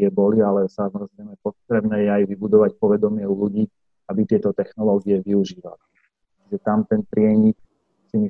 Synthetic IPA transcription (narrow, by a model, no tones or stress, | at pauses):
ɛbɔlialɛsamɔzɾɛɪmɛpɔt̪ɾɛbnɛːjɛajʋibud̪ɔʋac̚pɔʋɛd̪ɔmɪɛuluɟiː | abit̪ɪɛt̪ɔt̪ɛxnɔlɔːɡiɛʋiuʒiːʋa̰li | t͡ʃiɡʒɛt̪amt̪ɛnpɾɪɛɲik | simi